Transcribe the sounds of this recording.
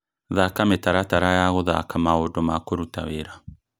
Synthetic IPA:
ðakametaɾataɾajaɣoða̰kamaodomakoɾutaβeɾa

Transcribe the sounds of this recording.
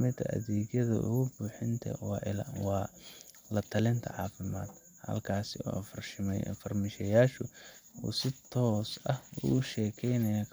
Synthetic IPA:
mɪt̪ʰɐʔɐ̰ðiːɡjɐðɐ̰ʔʊ̰ɣʊbuːħɪnt̪ʰɐ̰wɑːʔɪlwɑː | lɐt̪ʰɐlɪnt̪ʰɐ̰ʕɑ̰ːfɪma̰ːd̪ | hɐ̰lkʰaːsɪɔ̰ːʔɐfɐrʃɪmɛj̰fɐrmɪʃɐjaːʃʊṵːsɪt̪ʰɔːsɐhʊɣʃɛːkʰɛjnɐjɐ

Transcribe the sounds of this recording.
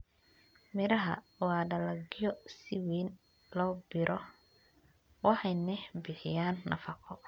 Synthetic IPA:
mɪɾɐɦɐ̰ | wɑːɖɐlɐɡɪjɔsɪwiːn | lɔːbɪɾʔɔ | wɑħɑjnɛbɪħɪjaːnːɐ̰fɐqʰɔ

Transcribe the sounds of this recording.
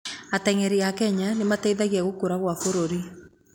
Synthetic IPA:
atɛŋɛɾiakɛɲanematɛiðaɣiaɣokoɾaɣwafoɾoɾi

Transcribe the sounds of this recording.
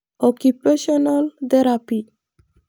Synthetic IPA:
ɔkupeʃɔnalt̪eɾapi

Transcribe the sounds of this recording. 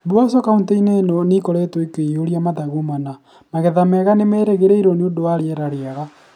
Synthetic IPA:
bwasɔkaunteinenonikɔɾetoikeoɾiamaðaɣumana | maɣɛðamɛɣanemeɾeɣeɾeiɾoneondowaɾeɛɾaɾeaɣa

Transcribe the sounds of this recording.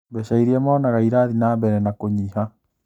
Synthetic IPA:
bɛʃaiɾiɛmaːnaɣaiɾaðinaːbɛɾɛnakoɲiːha

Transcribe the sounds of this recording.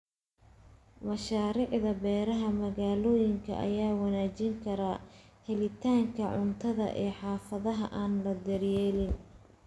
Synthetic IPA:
mɐʃaːɾiʕðɐbɛːɾɐɦɐmɐɣaːlɔːjɪŋkʰɐ̰ʔɐ̰jaːwɑnaːt͡ʃɪŋkʰɐɾɐhɛlɪt̪ʰaːŋkʰɐʕʊnt̪ʰɐðɐ̰ʔɛːħɑːfɐðɐɦɐʔaːnlɐd̪ɐrjɛːlɪn

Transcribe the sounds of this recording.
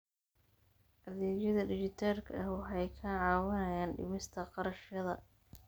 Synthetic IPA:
ʔɐðɛːt͡ʃɐðɐɖɪt͡ʃɪt̪ʰaːrkʰɐɐhwɑħɑjkʰɐʕɑːwɐnɐjaːnɖɪ̰mɪst̪ʰɐqɑɾɐʃjɐðɐ

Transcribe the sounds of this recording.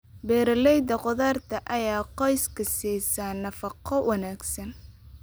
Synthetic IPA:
bɛːɾɐlɛjd̪ɐqʊðaːrt̪ʰɐʔɐjaːqɔjskʰɐsiːsɐnːɐfɑqʰɔwɑnaːɡsɐn

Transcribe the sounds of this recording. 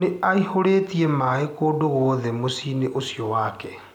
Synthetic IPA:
eaihoɾetiɛmaːekoːdoɣoːðɛmosineʔosjɔwaːkɛ

